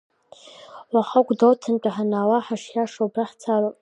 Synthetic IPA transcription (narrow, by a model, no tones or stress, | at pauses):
waχaɡʷdowtʰɨnt͡pʼaħanaːwaħaʂjaʂobraħt͡sʰaro